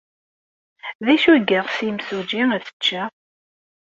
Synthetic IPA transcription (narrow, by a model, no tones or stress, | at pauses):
ðæʃuɡəʁsimsud͡ʒiæθə̥t͡ʃːæ